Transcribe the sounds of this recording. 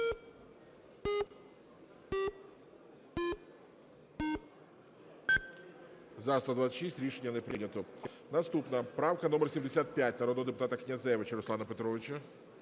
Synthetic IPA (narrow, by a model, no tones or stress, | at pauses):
zasˠɐd̪ʋat̪sʲəʃisʲtʲɾʲiʂenʲːɐnɛpɾɪnʲɐt̪ʊ | nɐst̪upnɐpɾawkɐnɔmɛrsʲimd̪esʲat̪̚pʲjatʲnɐɾɔd̪ɔd̪ɪp̬ʊt̪at̪ɐknʲɐzɛʋɪt͡ʃɐɾʊslˠanɐpet̪ɾɔʋʲɪt͡ʃɐ